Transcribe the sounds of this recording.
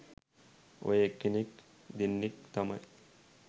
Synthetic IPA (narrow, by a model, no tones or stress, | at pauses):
o̰jekːinik | d̪inːik̚t̪ɐmɐj